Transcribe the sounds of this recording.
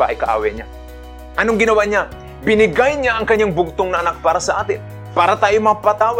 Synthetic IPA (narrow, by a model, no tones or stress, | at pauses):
aʔɐ̰jkɐʔa̰ːwɛɲa | ʔɐnoŋɡɪnɐwaɲa | bɪnɪɡajɲaʔɐŋkɐɲːaŋbʊɡ̚t̪oŋnɐʔɐnak̚paːɾɐsɐʔaːt̪ɪn | paːɾat̪aːjomɐapat̪aːwa